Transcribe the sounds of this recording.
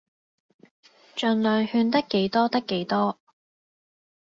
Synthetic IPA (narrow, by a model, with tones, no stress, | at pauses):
t͡ʃœː˨ŋlœː˨ŋhyː˧nt̪ɐ˥kːe˨˥jt̪ɔː˥t̪ɐ˥kːe˨˥jt̪ɔː˥